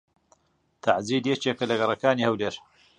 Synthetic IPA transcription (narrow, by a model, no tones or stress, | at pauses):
t̪ʰaʕziːd̪jet͡ʃeːkɐlɐɡɐrˤɐkaːniːhɐwleːɾ